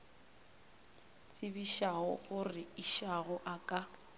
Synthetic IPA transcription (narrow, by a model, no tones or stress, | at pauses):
t͡sʼɪbiʃaɣʊ̰ɣʊrɪiʃaɣʊʔakʼa